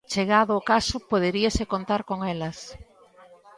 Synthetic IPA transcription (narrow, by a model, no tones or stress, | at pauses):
t͡ʃeɣaðʊːkasʊpoð̞eɾiɐsekont̪aɾkoŋɛlɐs